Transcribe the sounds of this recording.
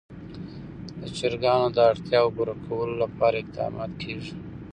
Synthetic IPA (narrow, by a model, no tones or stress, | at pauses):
d̪ət͡ʃɪɾɡɑnod̪əaɽt̪jɑwɡʊɾakʰawəlolapɑːɾaɪq̚d̪ɑ̰ːmɑ̰ːt̪kʰeʐi